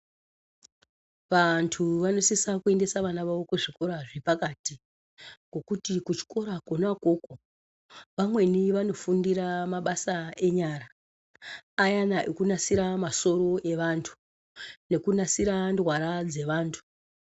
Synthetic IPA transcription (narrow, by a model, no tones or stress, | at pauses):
ʋantʰuʋano̞sisakue̞nde̞saʋanaʋaʋo̞kuʐiko̞ɾaʐipakati | ɡo̞kutikut͡ʃi̥ko̞ɾakonako̞ko | ʋamwe̞niʋano̞fundiɾamaɓasae̞ɲaɾaː | janaʔekunasiɾamaso̞ɾo̞ʔe̞ʋantʰu̥ | ne̞kunasiɾandwaɾad͡ze̞ʋaːntʰu̥